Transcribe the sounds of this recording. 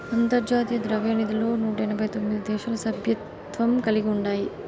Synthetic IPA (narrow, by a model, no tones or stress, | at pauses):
ɐnt̪ɐɾd͡ʒaːt̪ijɐd̪ɾɐʋeːnid̪ilo̞ːnuːʈɐɛnɐbʱɐjt̪omːid̪id̪ɛːʃaːlɐsɐbʱjɐt̪ | ʋɐmkɐliɡiuɳɖaːji